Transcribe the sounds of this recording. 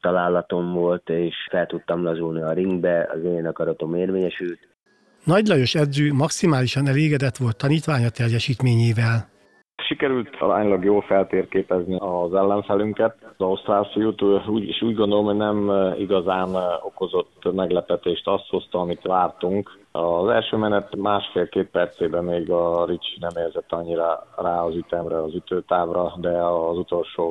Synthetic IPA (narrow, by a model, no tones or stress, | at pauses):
t̪ɒlaːlːɒt̪o̞ɱvolt̪eːʃfɛlt̪ut̪ːɒmlɒzulniɒɾiŋɡbɛɒ̰zeːnɒkɒɾɒt̪o̞meːrveːɲɛʃylt̪ | nɒɟlɒjo̞ʃɛd̪zøːmɒksimaːliʃɒnɛleːɡɛd̪ɛt̪ʋo̞lt̪ʰːɒniːt̪ʋaːɲɒt̪ɛrjɛʃiːt̪meːɲeːvɛl | ʃikɛɾylt̪ɒ̰ɾa̰ːɲlɒɡjoːlfɛlt̪eːrkeːpɛzniɒzɛlːɛɱfɛlyŋkɛt̪zɒust̪raːsijoːt̪uːɟiʃuːɟɡo̞nd̪olomɦoɟnɛmḭɡɒzaːno̞ko̞zo̞t̪ːmɛɡlɛpɛt̪eːʃt̪ɒst̪ho̞st̪ɒɒmit̪ʋaːrt̪uŋkɒzɛlʃøːmɛnɛt̪maːʃfeːlkeːt̪̚pɛrt̪seːbɛmeːɡɒɾit͡ʃi̥nɛmeːrzɛt̪ːɒɲːiɾaraːɒzyt̪ɛmɾɛɒzyt̪øːt̪aːvrɒd̪ɛɒzut̪o̞lʃoː